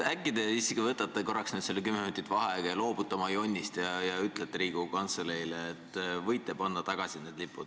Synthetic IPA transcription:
ækːˑid̪̥e̞iskivɤt̪ːˑɑt̪ːˑeko̞rːɑksned̪selːek̬ymːeminut̪ːˑit̪ːˑvɑɦɑɡ̥ɑjɑlo̞ːbut̪ːˑɑmɑjo̞nʲːist̪jɑjɑyt̪ːˑlet̪ːɾiːɡ̥ukɑnt̪seleileːt̪ːˑvɤjt̪ːˑepɑnːɑt̪ɑɡ̥ɑsine̞d̪̥lipːˑud̥̪

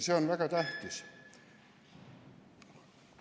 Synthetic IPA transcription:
seonʋækæt̪æht̪is

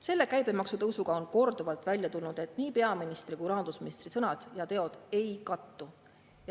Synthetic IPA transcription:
se̞lːe̞kæjbe̞mɑksut̪ɤwsuɡ̥ɑo̞nko̞rd̪̥uvɑlt̪ːˑvælʲjɑt̪ulnud̪̥e̞t̪niːpe̞ɑminist̪rikuɾɑnd̪̥usminist̪risɤnɑd̪̥jɑt̪e̞o̞d̪̥e̞jkɑt̪ːu | j

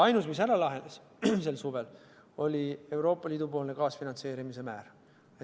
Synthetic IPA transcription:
ɑjnusmis̬æɾɑlɑɦe̞nd̪ɑs | se̞lsuve̞l | o̞lʲie̞wɾo̞ːpːˑɑliːd̪̥upo̞ːlnekɑːsfinɑnt̪se̞ːɾimise̞mæːɾ | e

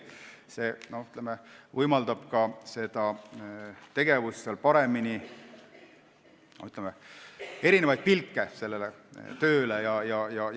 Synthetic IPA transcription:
se̞ːno̞yt̪lemevɯjmɑld̪̥ɑb̥kɑse̞d̪̥ɑ | t̪e̞ɡ̥e̞vusːelpɑɾe̞mini | no̰yt̪ˑlɛmee̞ɾinevɑjd̪̥̚pilkːese̞lːele | t̪ø̞ːlejɑjɑjɑ

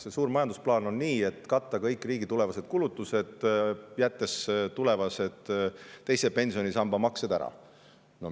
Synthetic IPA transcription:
sesuːɾmɑjɑnd̪usplɑːno̞nniːe̞t̪ːˑkɑt̪ːˑɑkɤjkːˑriːɡ̥it̪ulevɑse̞d̪̥kulut̪ːˑuse̞d̪̥jæt̪ːest̪ule̞vɑse̞d̪̥ːe̞jsepe̞nʲsio̞nisɑmbɑmɑksed̪æ̰ɾɑ̰ | no

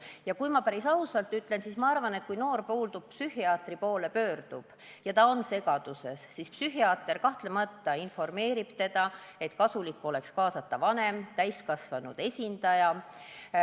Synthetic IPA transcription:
jɑkujmɑpæɾisɑusɑlt̪ːˑyt̪ːˑlensismɑɑrvɑnet̪̚kujno̞ːrpoːlt̪ub̥̚psyhiɑːt̪ripo̞ːle̞pø̞ːrd̪̥ub̥ | jɑt̪ɑo̞nse̞ɡ̥ɑd̪̥use̞sːispsyɦiɑːt̪ːˑe̞rkɑht̪lemɑt̪ːɑinfo̞rme̞ːɾib̥t̪e̞d̪̥ɑe̞t̪kɑsulikːo̞le̞kskɑːsɑt̪ːɑvɑne̞mt̪æjskɑsvɑnud̪̥e̞sʲind̪ɑjɑ

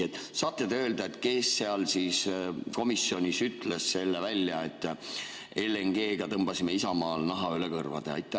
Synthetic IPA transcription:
et̪ːˑsɑːt̪ːˑed̪eø̞ːld̪̥ɑe̞t̪ːˑke̞sːe̞ɑlsiːsko̞misːionʲisyt̪le̞sse̞lːevælʲjɑe̞t̪ːˑ | ele̞ŋɡ̥e̞ːɡ̥ɑt̪ɤmb̥ɑsimeisɑmɑːlnɑɦɑylekɤrvɑ̰d̪̥eɑ̰jt̪ːˑæ

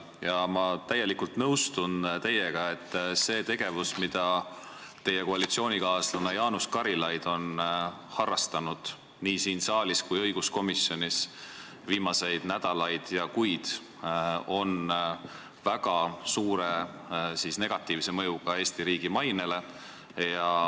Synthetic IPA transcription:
jɑmɑt̪æje̞likult̪nɤwst̪unt̪e̞jeɡ̥ɑe̞t̪ːse̞ːt̪e̞ɡ̥e̞vusmid̪̥ɑ | t̪e̞jeko̞ɑlit̪sio̞ːnʲikɑːslɑnɑjɑːnuskɑɾilɑjd̪̥o̞n | hɑrːɑst̪ɑnud̪̥ | niːsiːnsɑːliskujɤ̞jɡ̥usko̞misjo̞nʲis | viːmɑse̞jd̪̥næd̪̥ɑlɑjd̪̥jɑkujd̪̥ | o̞n | væɡ̥ɑsuːɾe | siːsne̞ɡ̥ɑt̪ːˑiːvse̞mɤ̞juɡ̥ɑe̞ːst̪iɾiːɡ̥imɑjne̞le̞ | jɑ

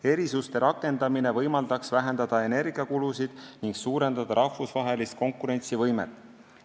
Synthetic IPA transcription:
e̞ɾisust̪e̞ɾʔɑkːˑe̞nd̪̥ɑminevɤjmɑld̪̥ɑksvæɦend̪̥ɑd̪̥ɑe̞ne̞rɡ̥iɑkulusid̪̥niŋɡsuːɾe̞nd̪̥ɑd̪̥ɑɾɑhvusvɑɦe̞list̪̚ko̞ŋkːuɾe̞nʲt̪sivɤjme̞̰t̪ːˑ

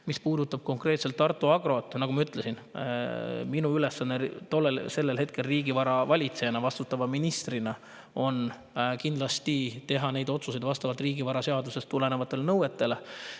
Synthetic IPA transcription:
mispuːd̪ut̪ːˑɑb̥̚ko̞ŋkre̞t̪se̞lt̪ːɑrt̪ːˑuɑɡ̥ro̞t̪ːnɑɡumɑyt̪ˑle̞sin | minuylesːɑnːet̪o̞lːelse̞lːelhe̞t̪̚ke̞lriːɡivɑɾɑvɑlʲit̪se̞jɑnɑvɑst̪ut̪ːˑɑvɑminist̪rinɑ | o̞n | kind̪lɑst̪it̪e̞ɦɑne̞jd̪o̞t̪sus̬e̞jd̪vɑst̪ɑvɑlt̪riːɡivɑɾɑse̞ɑd̪use̞st̪ːule̞nevɑt̪ːˑe̞lenɤwe̞t̪ːˑe̞le

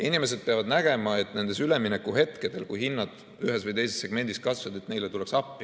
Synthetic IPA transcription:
inime̞s̬e̞d̪̥̚pe̞ɑvɑd̪næɡ̥e̞mɑe̞t̪ːˑne̞nd̪̥e̞syleminekːˑuɦe̞t̪ke̞d̪̥e̞lkujhinːɑd̪̥ | yɦesvɨjt̪e̞jse̞sːe̞ɡ̥me̞nd̪̥iskɑsvɑd̪̥e̞t̪ːne̞jlet̪ule̞ksɑpːˑi

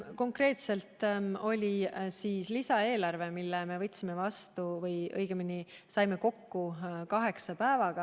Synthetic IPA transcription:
ko̞ŋkre̞ːt̪se̞lt̪ˑo̞lʲisiːslisɑe̞ːlɑrve̞milːeme̞vɤ̞t̪ʲːsime̞vɑst̪uvɤjʔɤ̰jɡ̥emini | sɑjme̞ko̞kːukɑɦe̞ksɑpæːvɑɡ̥ɑ

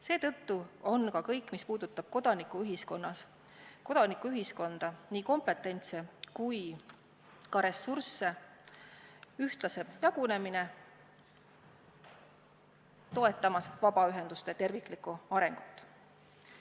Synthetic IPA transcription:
se̞ːt̪ɤ̞t̪ːuo̞nkɑkɤjkːˑmispuːd̪̥ut̪ːˑɑb̥̚ko̞d̪̥ɑnikːˑuyɦisko̞nːɑs | ko̞d̪̥ɑnikːuyɦisko̞nd̪̥ɑniːko̞mpe̞t̪ːˑe̞nʲt̪sekuj | kɑɾe̞sːursːe̞ | yht̪lɑse̞jɑɡ̥une̞mine̞ | t̪o̞e̞t̪ːˑɑmɑsvɑb̥ɑyɦe̞nd̪ust̪e̞t̪e̞rvikːˑlikːˑuɑɾe̞ŋɡ̥ut̪ːˑ

